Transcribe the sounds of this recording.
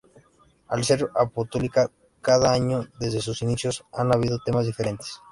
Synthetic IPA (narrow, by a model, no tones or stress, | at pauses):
alse̞ɾapo̞st̪o̞lika | kaðaaɲoðe̞zðe̞s̬usinisjo̞sanaβ̞iðo̞t̪e̞mazðife̞ɾe̞nt̪e̥s